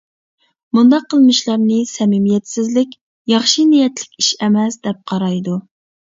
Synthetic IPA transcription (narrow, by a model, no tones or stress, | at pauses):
mund̪ɑqʰːəlˠmɨʃlˠɑɾnɨsɛmɪmijɛt̪sɪzlɪkʲ | jɑχʃinijɛt̪lɪ̥kʲiʃɛmɛsd̪ɛp̚qʰɑɾɑjd̪u